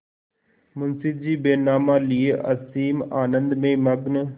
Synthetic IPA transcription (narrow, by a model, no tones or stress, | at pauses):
mʊnsɪb̚d͡ʑiːbeːnaːmãːlieʔɐsiːmaːnə̃nd̪mẽmɐɡnə